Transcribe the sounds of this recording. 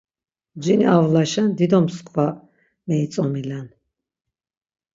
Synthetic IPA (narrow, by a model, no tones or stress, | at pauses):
d͡ʒiniavlaʃɛnd̪id̪ɔmskʰwa | mɛit̪sʼɔmilan